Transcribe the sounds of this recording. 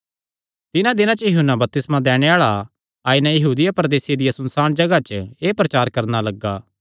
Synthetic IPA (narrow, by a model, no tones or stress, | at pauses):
t̪ɪnãd̪ɪnãt͡ʃɐjʊɦʊnːabɐp̚t̪ɪsmãd̪ɛːɽ̃eaːɭa | aːɪnɛ̃jɐɦuːd̪ɪjapɾd̪eːsɪjed̪ɪjasɐnsaːɽ̃d͡ʒɐɡat͡ʃəeːpɾɐt͡ʃaːɾkɐɾnalɐɡːaː